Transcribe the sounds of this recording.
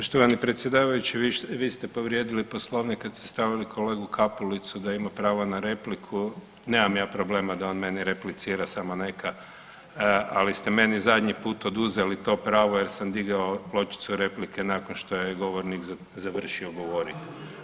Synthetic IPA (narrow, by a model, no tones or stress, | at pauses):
poʃt̪oʋanipɾet̪sje̞d̪aːʋajut͡ʃiʋiʋiːst̪epo̞ʋɾje̞d̪ilipo̞slˠo̞ʋnikad̪st̪e̥st̪aʋilikʰo̞le̞ːɡukʰapulit̪sud̪aimapɾaːʋonaɾe̞plikʰu | ne̞ːmamjaːpɾo̞ble̞ːmad̪ao̞ːnme̞niɾe̞plit̪siːɾasamo̞ne̞kʰa | alist̪eme̞nizad̪ʲɲipuːt̪o̞d̪uzelit̪o̞ːpɾaːʋojeɾsamd̪iɡaolˠo̞t͡ʃi̥t̪suɾe̞plike̞naːkonʃt̪o̞jeɡo̞ʋoɾnikz | zaʋr̩ʃioɡo̞ʋo̞ɾḭt̪